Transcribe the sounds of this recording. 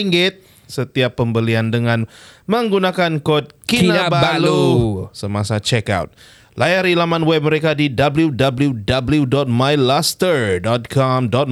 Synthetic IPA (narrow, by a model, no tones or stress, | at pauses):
iŋɡɪt̪̚ | sət̪iapːəmbəliandəŋanməŋɡunakankot̪̚kinnabaalusəmasat͡ʃɛka̰wt̪̚ | lʔajaɾilamanwɛp̚məɾekadidabəludabludabəludɔt̪̚majlast̪ərdɔt̪̚kʰɔmdɔt̪̚